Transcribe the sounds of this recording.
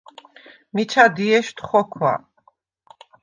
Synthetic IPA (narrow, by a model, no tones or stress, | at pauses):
mit͡ʃʰad̪iɛʃt̪χɔkʰwa̰